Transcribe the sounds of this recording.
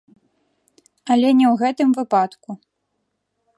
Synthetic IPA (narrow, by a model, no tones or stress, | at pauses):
ɐlʲɛnʲɛwɣɛt̪ɨmvɨpat̪ku